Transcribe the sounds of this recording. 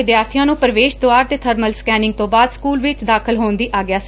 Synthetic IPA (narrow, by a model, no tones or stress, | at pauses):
ɪd̪jaːɾt̪ʰijãːnũːpəɾəʋeːʃd̪oaːɾt̪eːt̪ʰəɾməlskɛːnɪ̃ŋɡ̚t̪õːbaːd̪skuːlʋɪt͡ʃd̪aːkʰəlɦoːnd̪iːʔaːɡɪaːsi̥ː